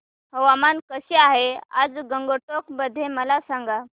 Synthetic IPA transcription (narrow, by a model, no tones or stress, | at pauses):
həʋamankəɕeaɦea̰d͡zɡəŋɡoʈok̚bəd̪ʱːeməlasaŋɡa